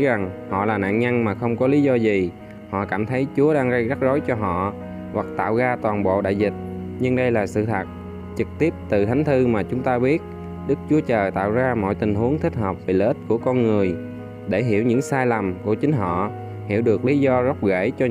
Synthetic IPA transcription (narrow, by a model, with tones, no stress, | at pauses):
za˨˩ŋhɔ̰˧˨laː˨˩na̰ː˧˨nɲa˧ŋmaː˨˩xə˧wŋ͡mkɔ˨˦li˨˦zɔ˧zi˨˩ | hɔ̰˧˨kaː˧˩mt̪ʰə˨˦jt͡ɕu˨˦əɗaː˧ŋɣə˧jɣa˦˥t̚zo˨˦jt͡ɕɔ˧ɦɔ̰˧˨ | hwa˨˩k̚t̪a̰ː˧˨wɣaː˧t̪waː˨˩nɓo̰˧˨ɗa̰ː˧˨jzï˨˩t̚ | ɲɨ˧ŋɗə˧jlaː˨˩sɨ̰˧˨t̪ʰa˨˩t̚ | t͡ɕɨ˨˩k̚t̪i˦˥əp̚t̪ɨ˨˩t̪ʰa˨˦ŋ̟t̪ʰɨ˧maː˨˩t͡ɕʊ˨˦ŋ͡mt̪aː˧ɓi˦˥ət̚ | ɗɨ˦˥k̚t͡ɕu˨˦ət͡ɕəː˨˩t̪a̰ː˧˨wzaː˧mɔ̰˧˨jt̪ï˨˩ŋ̟ɦu˨˦əŋt̪ʰï˦˥k̟̚həː˨˩p̚ve˨˩le˧˦˥t̚ku˧˩əkɔ˧nŋɨ˨˩əj | ɗe˧˩ɦi˧˩əwɲɨ̰˧˥ŋsaː˧jla˨˩mku˧˩ət͡ɕï˨˦ŋ̟ɦɔ̰˧˨ | hi˧˩əwɗɨ˨˩ək̚li˨˦zɔ˧zə˦˥k͡p̚ɣe˧˩t͡ɕɔ˧